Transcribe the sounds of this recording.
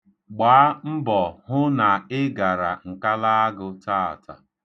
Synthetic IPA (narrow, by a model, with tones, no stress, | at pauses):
ɡ͡baː˨˦m̩˦bɔ˨hʊ˦na˨ɪ˦ɡa˨ɾa˨ŋ̩˨ka˦la˦a˦ɡʊ˨taː˦a̰˨ta̰˨